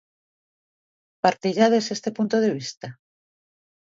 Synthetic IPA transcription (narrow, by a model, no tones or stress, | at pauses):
paɾt̪iʎaðesest̪e̞punt̪oðe̞β̞ist̪a